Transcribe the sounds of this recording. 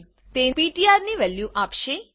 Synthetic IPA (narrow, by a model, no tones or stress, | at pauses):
t̪epiʈiaɾniʋɛljuʔapʃe